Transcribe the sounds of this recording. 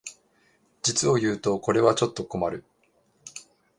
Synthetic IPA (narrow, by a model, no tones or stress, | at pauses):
d͡ʑit͡sɨo̞jɯ̟ːt̪o̞ko̞ɾe̞βat͡ɕo̞t̪ːo̞ko̞maɾɯ̟